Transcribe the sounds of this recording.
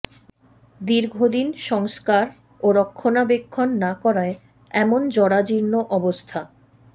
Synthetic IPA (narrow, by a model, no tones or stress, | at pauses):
d̪iɾɡʱod̪inʃɔŋskaɾ | oɾɔkʰːonabekʰːonːakɔɾae | ɛmond͡ʑɔɽad͡ʑiɾnoʔɔbost̪ʰa